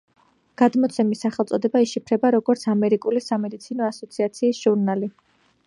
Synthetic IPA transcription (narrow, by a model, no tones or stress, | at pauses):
ɡ̥ad̪mɔt̪sʰɛmisːaχɛlˠt̪sʼɔd̪ɛbaiʃipʰɾɛbaɾɔɡɔɾt̪sʰamɛɾikʼulisamɛd̪it̪sʰinɔasɔt̪sʰiat̪sʰiːsʒ̥uɾnali